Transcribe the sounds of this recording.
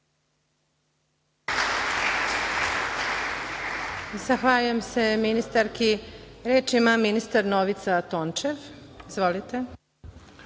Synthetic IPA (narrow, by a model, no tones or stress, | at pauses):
zaxʋaʎujemse̞minist̪aɾkiɾeːt͡ʃimaminist̪aɾno̞ʋit̪sat̪ont͡ʃeʋizʋo̞lit̪e